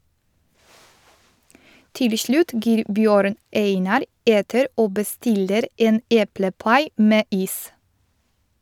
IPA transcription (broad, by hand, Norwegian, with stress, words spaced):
ˈtɪl ə ˈʃɭʉːt ˈɡiːɾ ˈbjøːɾn ˈeɪnɑɾ ˈeːtəɾ ˈoː bəˈstɪləɾ ˈeːn ˈeːpləˌpɑɪ ˈmeː ˈiːs